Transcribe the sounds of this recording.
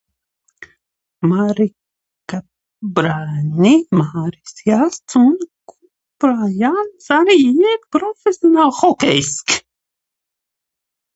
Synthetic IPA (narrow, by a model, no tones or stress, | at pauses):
maɾi | ka | bɾaːnʲimaːɾisjast̪sunkʰu | pɾajansaɾiit̪pɾɔfʲesʲjonalˠxɔkʲɛjsk